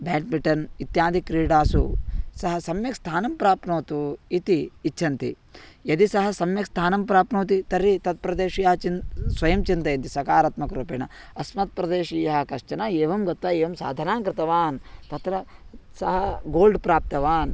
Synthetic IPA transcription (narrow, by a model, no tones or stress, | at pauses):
bɛːʈ̚biʈɐnit̪jaːd̪ʱikɾiːɖaːsṵsɐɦɐsɐmjɐkst̪ʰaːnɐmpɾaːpnoːt̪uit̪iːt͡ʃːʃʰɐnt̪ḭ | jɐd̪isɐɦɐ̆sɐmjɐkst̪ʰaːnɐmpɾaːpnoːt̪̬it̪ɐɾːit̪ɐt̪̚pɾɐd̪eːʃjɐɦɐt͡ʃinsʋɐjɐmt͡ʃint̪ɐjɐnt̪isɐkaːɾɐt̪mɐkɾoːpeːɳɐ | ɐsmɐt̪̚pɾɐd̪eːʂijɐɦɐ̆kɐʃt͡ʃɐnaeːʋɐmɡɐt̪ʋaeːʋɐmsa̰ːd̪ʱɐnaːmkɾɪt̪ɐʋaːnt̪ɐt̪ɾɐsɐɦɐɡoːlɖpɾaːp̚t̪ɐʋaːn